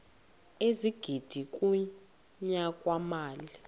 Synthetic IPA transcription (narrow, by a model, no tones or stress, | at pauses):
eziɡ̥ʱid̥ʱik̬ʼu | ɲakʼwamaːli